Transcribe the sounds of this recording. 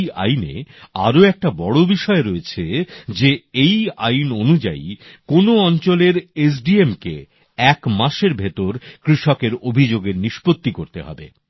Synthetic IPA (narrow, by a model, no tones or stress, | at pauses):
a̰jnḛaɾoɛk̚ʈabɔɽobiʃɔeɾoet͡ɕʰed͡ʑeeja̰jnonud͡ʑa̰ikonoɔnt͡ɕoleɾes̬ɖiemkḛ | ɛkmaʃeɾbʱet̪oɾkɾiʃɔkeɾobʱid͡ʑoɡeɾniʃpot̪ːikoɾt̪eɦɔ̰bḛ